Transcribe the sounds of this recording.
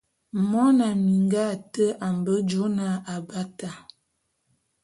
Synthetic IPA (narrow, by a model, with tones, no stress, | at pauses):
mɔ˦na˨mi˨ŋɡa˦˨tə˦a˨m˨bə˦d͡ʒo˦na˦a˨ba˦ta˨